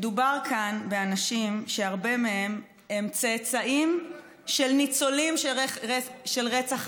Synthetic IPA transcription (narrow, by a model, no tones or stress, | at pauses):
dubaʁkʰanbe̞anaʃimʃeaʁbe̞mee̞m | emt͡set͡saʔim | ʃelnit͡so̞limʃ | ʃelʁet͡saχ